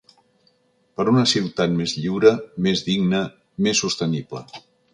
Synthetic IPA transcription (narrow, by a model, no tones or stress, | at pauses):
pəɾunəsiwt̪at̪mezʎiwɾəmezðiɡnə | mesːust̪əniblə̰